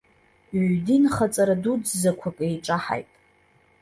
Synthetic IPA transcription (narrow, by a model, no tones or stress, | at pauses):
ʕdinχat͡sʼaɾadud͡zzakʷʰakʼejʈ͡ʂʼaħa̰jtʼ